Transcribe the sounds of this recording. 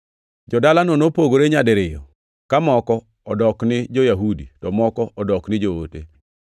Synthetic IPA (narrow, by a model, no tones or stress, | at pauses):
d͡ʒɔdalanonopoɡoɾeɲadɪɾɪjɔ̰ | kamɔkɔ | ɔdɔknɪd͡ʒojaɦudḭtɔmɔkɔʔɔdɔknɪd͡ʒoo̰tḛ